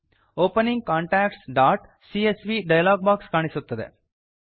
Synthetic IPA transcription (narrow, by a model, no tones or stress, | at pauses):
oːpəniŋɡ̚kaːɳʈɛkʈsɖaːʈ | siesʋiɖajalaɡ̚bakskaɽ̃isot̪ːəd̪ḛ